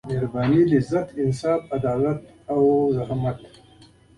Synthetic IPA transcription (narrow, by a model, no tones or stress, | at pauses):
meɾbɑːnilɪzat̪ɪnsɑːfad̪ɑːlat̪̚ | awd̪aɦamaʈ